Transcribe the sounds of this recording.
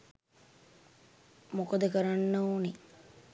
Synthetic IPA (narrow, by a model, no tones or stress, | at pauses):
mokəd̪əkəɾanːooːne